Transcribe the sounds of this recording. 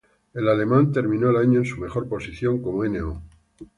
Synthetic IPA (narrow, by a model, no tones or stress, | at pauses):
e̞lale̞mãnt̪e̞ɾmĩnoelaɲoensume̞xo̞ɾpo̞siθjo̞ŋko̞moeneo